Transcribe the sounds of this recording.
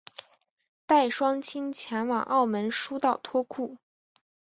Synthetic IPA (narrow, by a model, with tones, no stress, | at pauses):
t̪a˥˩ɪʂwɑ˥ŋt͡ɕʰi˥nt͡ɕʰjɛ˧˥nwɑ˨˩ŋʔɑ˥˩ʊmə˧˥nʂu˥t̪ɑ˥˩ʊt̪ʰwɔ˥kʰu˥˩